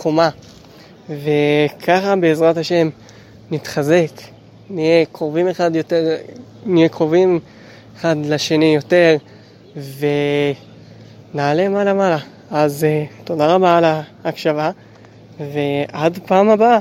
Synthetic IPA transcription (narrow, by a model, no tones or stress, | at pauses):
kʰoma | ve̞kʰaχabe̞ːzʁat̪haʃe̞m | nit̪χaze̞k | niekʁovimeχad̪jot̪eʁnijekʁovim | eχadleʃe̞nijo̞te̞ʁ | ve̞ | naːle̞malamala | azt̪o̞daʁabaːlaːkʃava | ve̞adpaːmaba